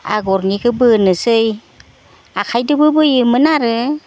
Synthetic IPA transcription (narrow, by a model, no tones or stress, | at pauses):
a̰ɡɔɾnikʰɯbɯnɯsɯj | akʰajdɯbɯbɯjɯmɯnaɾɯ